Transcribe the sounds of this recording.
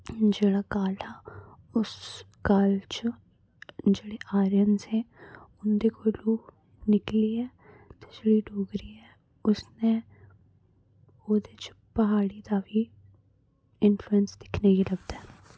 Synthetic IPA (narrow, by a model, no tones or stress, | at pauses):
d͡ʒeːɽaːkaːlaː | ʊs | kaːlt͡ʃ | d͡ʒeːɽeʔaːɾjənzɦɛ̃ʊnd̪ekoluː | nɪkliːɛː | t̪ed͡ʒeːɽiɖoːɡɾiɛ | ʊsneː | oːd̪et͡ʃ | pəɦaːɽid̪aːʋi | ɪnfluənsd̪ɪkʰneɡiləɡd̪ɛː